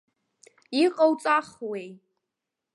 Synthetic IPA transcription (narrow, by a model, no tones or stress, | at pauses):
iqʼawt͡sʼaχwej